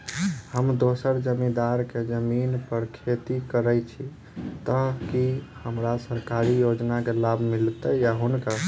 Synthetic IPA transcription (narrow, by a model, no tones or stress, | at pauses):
həmd̪osəɾd͡ʒəmid̪aɾked͡ʒəminpəɾkʰet̪ikəɾəjt͡ʃʰi | t̪əkihəmɾasəɾkaɾijod͡ʒnakelabʱmilt̪əjaɦunkə